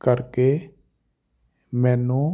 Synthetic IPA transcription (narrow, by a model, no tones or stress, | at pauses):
kəɾkeː | mɛ̃ːnũː